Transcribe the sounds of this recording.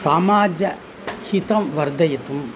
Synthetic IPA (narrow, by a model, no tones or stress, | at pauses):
saːmaːd͡ʒɐ | hit̪ɐmʋɐɾd̪ɐjɐt̪um